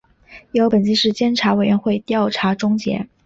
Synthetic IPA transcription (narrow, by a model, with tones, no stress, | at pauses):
jo˧˥ʊpə˨˩nt͡ɕi˥ʂɻ̩˥˩t͡ɕjɛ˥nʈ͡ʂʰa˧˥we˨˩ɪɥɛ˧˥nxwe˥˧ɪt̪jɑ˥˩ʊʈ͡ʂʰa˧˥ʈ͡ʂʊ˥ŋt͡ɕjɛ̰˧˥